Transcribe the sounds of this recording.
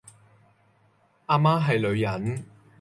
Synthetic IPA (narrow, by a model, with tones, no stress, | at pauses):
aː˧maː˥ɦɐ˨jlɵ˨˧ɥjɐ˨˥n